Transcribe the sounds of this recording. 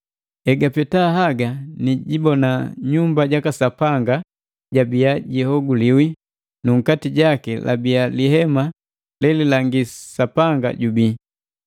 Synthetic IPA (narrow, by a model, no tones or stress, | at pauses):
ɛɡapɛtaɦaɡaniɟibɔnaɲumbaɟakasapaŋɡa | ɟabiaɟihɔɡuliwi | nuŋ̩katiɟakɛlʔa̰bialiɦɛma | lɛlilaŋɡisapaŋɡa̰ɟubi